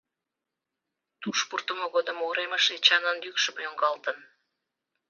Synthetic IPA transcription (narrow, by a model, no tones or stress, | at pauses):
t̪uʃpurt̪əmoɣod̪ə̆moɾeməʃet͡ɕɑnənjykʃəməjoŋɡɑlt̪ən